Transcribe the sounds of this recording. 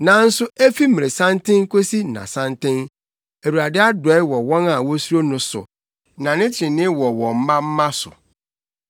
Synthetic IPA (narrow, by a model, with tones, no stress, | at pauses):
nã˨n̩˦sʊ˦e˦fi˦mĩ˨e˨sã˦ntʰɪ̃˦ŋ˦kʰo˦si˦nã̰˨sã˦ntɪ̃˦n | æ˨wu˨ɾa˨dɪ˦a˦dʊ˨ɛ˨˦wɔ˨wɔ̃˦na˨wɔ˦su˦ɾo˦nʊ̃˦sʊ̰˨ | nã˨nɪ̃˦tʰɪ̃˨nɪ̃˦wɔ˨wɔ̃˨m̩˦mã˦m̩˦mã˦sʊ̰˨